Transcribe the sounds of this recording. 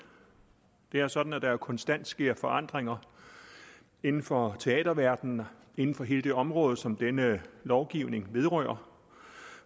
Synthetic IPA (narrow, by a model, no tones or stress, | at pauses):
d̥e̝æɐsɒ̽d̥n̩æd̥ɑ̈æɐkʰɒ̽nsd̥æn̰d̥sɡ̥e̝ɐ̰fɒ̽ʔɑ̈n̰d̥ʁeŋɐ | e̝nn̩fɒ̽t͡sʰe̝ɛ̰ːd̥ɐʋæɐd̥n̩ | e̝nn̩fɒ̽ɦe̝ːləd̥e̝ɒ̽mʁɔ̽ːð̞̩ˠsɒ̽md̥enəlɒʊɡ̥iʊne̝ŋʋe̝ðˠʁœːɐ